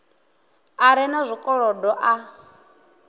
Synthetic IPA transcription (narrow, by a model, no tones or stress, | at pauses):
aɾɛnazʷikʼɔɺɔdɔʔa